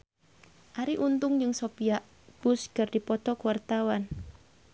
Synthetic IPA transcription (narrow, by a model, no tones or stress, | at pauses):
ʔaɾiʔunt̪ʊŋd͡ʒɨŋsopiaʔ | b̥ʊskərdipɔt̪ɔkuwart̪awan